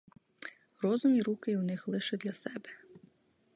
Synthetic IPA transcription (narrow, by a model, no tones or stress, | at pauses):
rɔzʊmiɾukɪwnɪxlˠɪʃɪd̪lʲɐsɛbɛ̥